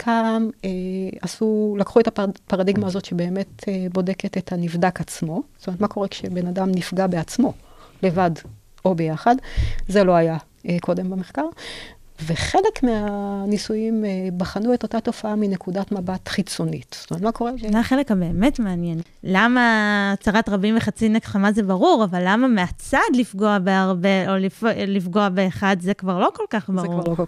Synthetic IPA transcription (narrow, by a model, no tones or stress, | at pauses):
kʰameasulakχuetapaʁadiɡmaːzo̞tʃe̞be̞ːme̞tebo̞de̞ketethanivdakat͡smo̞stomet̪mako̞ʁekʃebe̞nadamnifɡabeat͡smo̞le̞vad | o̞be̞jaχadzelo̞aja | ekʰo̞de̞mbameχkaʁ | ve̞χe̞le̞kmeanisujimbaχanueto̞tato̞faaminekudatmabatχit͡sonitstometmako̞ʁeaχe̞lekhabe̞ːme̞tmeanjen | lamaːt͡saʁatʁabimveχat͡sinekχamazebaʁuʁavalːamameat͡sad̪lifɡo̞abeaʁbe̞oliflifɡo̞abeːχadzekvaʁlo̞ko̞lkaχbaʁuoo